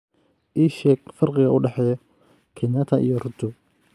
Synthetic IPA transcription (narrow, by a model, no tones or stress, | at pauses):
ʔiːʃɛːɡ̚fɐrqɪɣɐʔʊɖɛħɛːjɔ | kʰɛɲɐt̪ʰɐʔḭjɔrʊnt̪ʰʊ